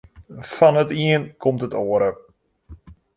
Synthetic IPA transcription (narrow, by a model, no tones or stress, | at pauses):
fɔnətiənkʰɔmtətoəɾə